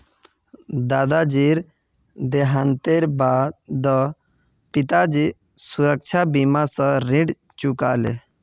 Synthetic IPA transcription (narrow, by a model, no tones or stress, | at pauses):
d̪aːd̪ad͡ʒiɾ | d̪eɦant̪eɾbaːd̪d̪ə | pɪt̪ad͡ʒi | suɾək̚t͡ʃʰabimasə̃ɾĩɖ | t͡ʃukalḛ